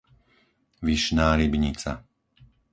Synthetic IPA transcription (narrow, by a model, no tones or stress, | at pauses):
ʋiʃnaːɾibɲit͡sa̰